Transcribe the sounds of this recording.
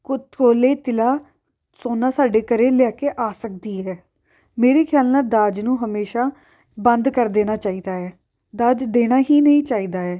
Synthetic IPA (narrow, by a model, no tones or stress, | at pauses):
kʊkoːleːt̪ɪlaː | soːnaːsaːɖeːkəɾeːlɪjaːkeːʔaːsək̚d̪iːɦɛː | meːɾeːkʰjaːlnaːd̪aːd͡ʒnũːɦəmeːʃaː | bənd̪kəɾd̪eːñaːt͡ʃaːiːd̪aːɛː | d̪aːd͡ʒd̪eːɽ̃aːɦiːnəĩːt͡ʃaːiːd̪aːɛː